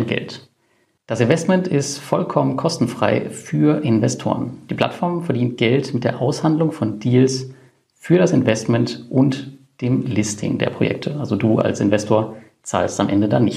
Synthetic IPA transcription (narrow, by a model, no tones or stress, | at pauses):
nɡ̥ɛ̰lt | d̥asɪnvɛstmɛntɪstfɔlkʰɔmənkʰɔstn̩fʁ̥aɪfyːɐʔɪnvɛstʰo̰ːʁənd̥iːpʰl̥atfɔɐmfɛɐdiːnt̚ɡ̥ɛltmɪt̚d̥eːɐʔaʊshandlʊŋfɔndiːls | fyːɐɾasɪnvɛstmɛntʔʊnt | d̥eːmlɪstʰɪ̰ŋdḛːɐpʁ̥o̰jɛ̰k̚tʰəʔalzoduːʔa̰lsɪnvɛstʰoːɐ | t͡sa̰ːlsta̰mʔɛ̰ndəda̰nɪç